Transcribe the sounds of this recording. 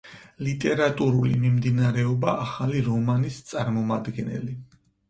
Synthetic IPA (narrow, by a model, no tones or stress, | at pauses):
lit̪ʼɛɾat̪ʼuɾulḭmimd̪inaɾɛɔbaːχaliɾɔmanist̪sʼaɾmɔmad̪ɡɛnɛ̰li